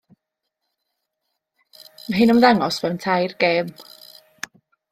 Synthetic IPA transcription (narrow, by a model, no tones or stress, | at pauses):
maɦɪnɔmðaŋɔsvɛwntʰajrɡ̥eːm